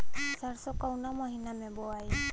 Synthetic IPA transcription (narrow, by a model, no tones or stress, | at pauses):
saɹsɔkawnamɔɦinamɛbɔaj